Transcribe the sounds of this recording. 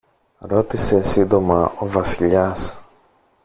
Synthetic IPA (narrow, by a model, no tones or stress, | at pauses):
ɾo̞t̪ise̞sind̪o̞mɐovɐsiʎɐs